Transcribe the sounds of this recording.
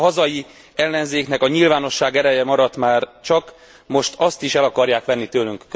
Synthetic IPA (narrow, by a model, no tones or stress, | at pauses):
ɦɒzɒji | ɛlːɛnzeːknɛkɒɲilvaːno̞ʃːaːɡɛɾɛjɛmɒɾɒt̪maːrt͡ʃɒk | mo̞ʃt̪ɒst̪iʃɛlɒkɒrjaːkʋɛnːit̪øːlyŋkː